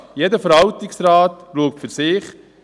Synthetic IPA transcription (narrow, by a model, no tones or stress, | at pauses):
jedəfəɾɦɑltɪksraːtluək̚tfʏɾsɪːχ